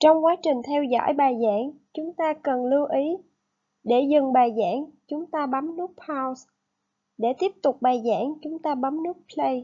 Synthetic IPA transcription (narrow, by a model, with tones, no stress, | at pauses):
t͡ɕɔ˧wŋ͡mkwaː˨˦t͡ɕï˨˩ŋ̟t̪ʰɛ˧wzɔ̰˧˥˨jɓaː˨˩jza̰ː˧˥ŋt͡ɕʊ˨˦ŋ͡mt̪aː˧kə˨˩nlɨ˧ʔi˨˦ | ɗe˧˩zɨ˨˩ŋɓaː˨˩jza̰ː˧˥ŋt͡ɕʊ˨˦ŋ͡mt̪aː˧ɓa˨˦mnɨ˦˥ək̚pʰaː˧ws | ɗe˧˩t̪i˦˥əp̚t̪ʊ˨˩k͡p̚ɓaː˨˩jza̰ː˧˥ŋt͡ɕʊ˨˦ŋ͡mt̪aː˧ɓa˨˦mnɨ˦˥ək̚pʰlə˧j